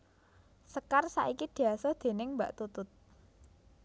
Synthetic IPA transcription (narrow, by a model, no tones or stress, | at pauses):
səkarsa̰ʔikid̪̥i̤asɔd̪̥e̤nɪŋmbaʔt̪ut̪ʊt̪̚